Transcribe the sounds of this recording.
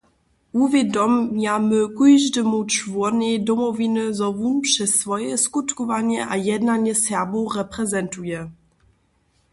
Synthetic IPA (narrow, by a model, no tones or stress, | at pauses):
uvʲjɛdɔmjamɘkujʐdəmut͡ʃvɔnɛd̪ɔmɔvʲinɘzɔvunpʂɛsːvɔjɛskut̪kɔvaɲɛʔajɛd̪naɲɛsjabɔrɛpɾɛzɛntujɛ